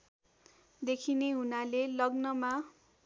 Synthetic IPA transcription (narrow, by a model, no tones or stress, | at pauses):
d̪ekʰineɦunalelʌɡnʌma